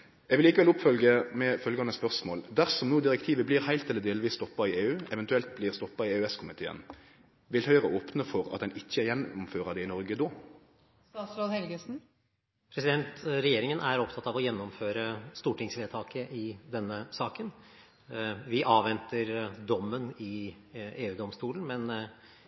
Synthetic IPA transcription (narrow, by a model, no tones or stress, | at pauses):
ɛɡʋɪlikəʋɛlʊpfœlɡəmɛfœlɡɑnəspœʁsmo̰ːld̪æʁsɔmnuːd̪ɪʁɛkt̪ʰiːʋəbliːʁhæɪlt̪ɛlːəd̪eːlʋiːst̪ɔpːɑɪeːʉːɛʋɛnt̪ʉɛlt̪̚bliːʁst̪ɔpːɑɪeːʉɛskʰʊmɪt̪ʰḛːə̰n | ʋɪlhœʏʁəʔoːpnəfɔʁɑt̪d̪ɛnɪçːəɛjɛnːʊmføːʁɑd̪ɛɪnɔʁɡəd̪oː | st̪ɑt̪sɾoːd̪hɛlɡəsn̩ | pʰɾɛsɪd̪ɛnt̪ɾɛjeːɾɪŋənʔæɾɔpt̪ʰɑt̪ːɑʋɔjɛnːɔmføːɾəst̪uːʈɪŋsʋeːt̪ʰɑːkəʔɪd̪ɛnːəsɑːkən | ʋɪʔɑːʋʋɛnt̪əɾd̪ɔmːənɪ | eːʉːd̪ɔmst̪uːln̩mɛn